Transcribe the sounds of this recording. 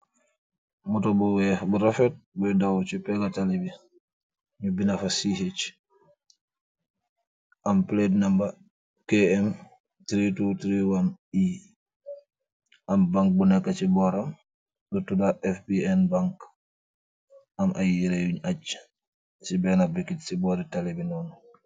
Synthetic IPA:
mutɔbɔwɛbuɾafɛt̚bɔdawt͡ʃipɛɡatalibi | ɲubinafasihet͡ʃ | ʔamplednamba | kɛɛm | tɾitutɾiwani | ʔambaŋk̚bunɛkːat͡ʃibɔɾam | ɗutːudaʔɛfbiɛnbaŋk | amʔajiɾɛjuɲat͡ʃː | sibɛnabikːitsibɔɾitalibinɔn

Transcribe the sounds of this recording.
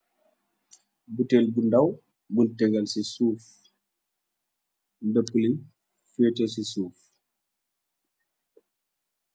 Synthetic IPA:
butelbundɐw | ɡuntɛɡɐlsisuːf | ndəpːulin | fɛtəsisuːf

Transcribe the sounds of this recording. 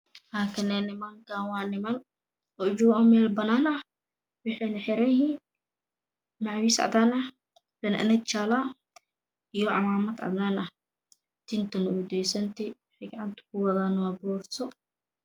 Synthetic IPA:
laːkʰɐnɛnɪmɐŋkʰaːnwɑːnɪmɐl | ɔd͡ʒʊɔmɛːlbɐnaːnɐh | wɪħɛnɐħɪɾɛjhiːn | maʕwiːsʕa̰d̪aːnɐh | lɐnɐ̰ʔnɐt͡ʃala | ijɔʕɑmaːmɐd̪ʕɑ̰d̪aːnɐh | d̪̥ɪnt̪ʰɐnɐud̪ɛjsɐnt̪ʰɛwħɪɡɐʕant̪ʰɐ̥kʰʊwɐðaːnɐwabɔːrt̪ʰɔ

